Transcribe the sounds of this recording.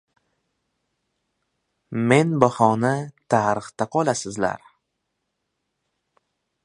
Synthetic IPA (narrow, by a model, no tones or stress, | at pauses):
me̞nbahɒnɪt̪ʰaɾɨχt̪aqʰɒlˠasɪzla̰ɾ